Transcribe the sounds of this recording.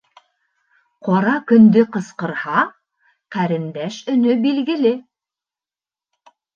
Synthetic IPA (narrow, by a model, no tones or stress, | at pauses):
qɒɾɑkɵ̆nd̪ɵqɤ̆sqɤ̆ɾhɑ | qæɾɘ̆nd̪æʃɵ̆nɵbilɡɘ̆lɘ